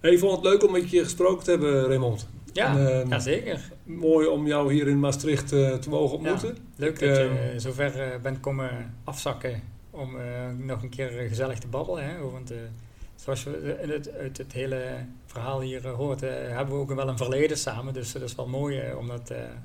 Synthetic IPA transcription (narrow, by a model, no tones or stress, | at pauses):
heɪfɔndətløɥkɔmɛtkiχə̥sprowkəntəɦɛbəremɔnt | jaːjazeːkər | moːjɔmjɔwɦiəɾɪnmastrɪxttəmoːɣənɔmjmutən | løk̚dɑəzoːvɛrbɛntkoməɑfsɑkə | ɔmnɔχənkʰɪːrɣəzɛlˠəxtəbɑbələnɦɛʋɑntː | z̥oɑlˠsjənəœɥtətɦeːlə | v̥ərɦaːlˠɦiːrɦoːrtɦɛbəʋəowkʋɛlˠənvərleːdəsaːməndɵsdɪsʋɛlˠmoːjɔ̰mdɑtə̰